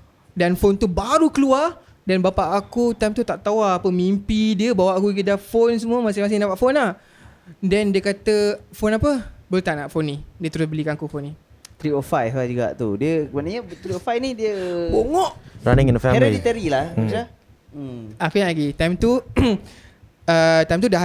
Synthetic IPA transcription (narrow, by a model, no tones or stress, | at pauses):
danfont̪ubaɾukəluar | danbapaʔakut̪ajmt̪ut̪aʔt̪awaːpəmimpidiəbawaʔakuɡidafons̬əmuəmãs̬ɪmas̬ɪnapaʔfonlah | dɛndiəkat̪əfonapəbəlut̪aʔnaʔfonĩdiət̪əɾʊsbəlikãakufonːĩ | t̪ɾiɔfajɦad͡ʒuɡa̰ʔt̪udiəəmanaɲət̪ɾiɔfajnidiəboŋɔʔɾa̰nɪ̃ŋɛ̃ndəfɛɛɾadit̪əɾilaha | akujaaɡit̪ajmt̪u | ət̪ajmt̪uda